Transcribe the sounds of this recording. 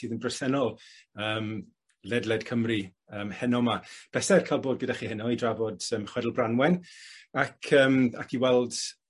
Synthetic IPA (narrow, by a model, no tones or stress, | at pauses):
iːðənbrəsɛnɔlˠəːm | lɛdlˠɛdkʰəmri | əːmhɛnɔmab̥ɛsɛrkʰajlˠboːd̚ɡədaχiːɦɪnɔidravɔdəːmχwɛdlˠbranwɛnakʰəːma̰kʰiwɛlˠd̥